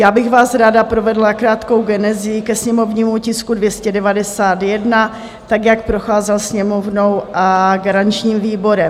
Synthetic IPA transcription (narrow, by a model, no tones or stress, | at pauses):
jaːbɪɣvaːsɾaːdapɾo̞vɛdlakɾaːt̪ko̞wɡɛnɛzɪɪkɛsɲɛmo̞vɲiːmucɪskudvjɛscɛdɛvadɛsaːt̪jɛdna | t̪aɡjak̚pɾo̞xaːzɛlsɲɛmo̞vnowʔaɡaɾaɲt͡ʃɲiːmviːbo̞ɾɛm